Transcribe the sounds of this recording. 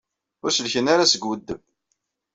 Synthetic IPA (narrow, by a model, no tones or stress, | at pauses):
ʊɾsəlçənaɾasəɡwəd̪ːəm